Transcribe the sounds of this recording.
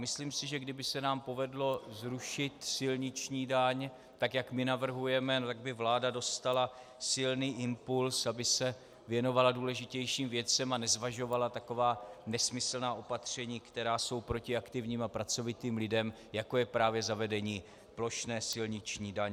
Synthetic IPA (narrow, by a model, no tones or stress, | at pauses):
mɪsliːmsɪʒɛɡdɪbɪsɛnaːmpo̞vɛdlo̞zɾuʃɪt̪sɪlɲɪt͡ʃɲiːdaɲ | t̪akjakmɪnavr̩ɦujɛmɛnot̪aɡ̚bɪvlaːdado̞st̪ala | sɪlniːʔɪmpulsabɪsɛ | vjɛno̞valaduːlɛʒɪcɛjʃiːmvjɛt͡sɛmanɛzvaʒo̞valat̪ako̞vaːnɛsmɪsl̩naːʔo̞pat̪r̝̥ɛɲiːkt̪ɛɾaːso̞wpɾo̞cɪakt̪ɪvɲiːmapɾat͡so̞vɪt̪iːmlɪdɛm | jako̞jɛpɾaːvjɛzavɛdɛɲiː | plo̞ʃnɛːsɪlɲɪt͡ʃɲiːdaɲɛ